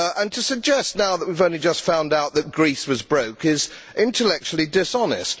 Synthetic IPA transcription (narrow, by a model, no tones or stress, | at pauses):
ʔə̃ntʰɨsɨɡ̚d͡ʒɛstnaʊðəʔ̚wivõʊ̃nlid͡ʒʌstfãʊ̃ndaʊʔ̪̚ðɨt̚ɡ̥ɹiswʌzbɹoʊkɪz̥ | ʔɪ̃ntʰəlɛk̚t͡ʃul̩ˠidɪsɑnɪst̚